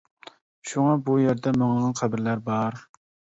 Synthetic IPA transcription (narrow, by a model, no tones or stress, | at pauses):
ʃuŋɑbujeɾd̪ɛməŋʁɑnqʰæbɪɾlæɾbɑɾ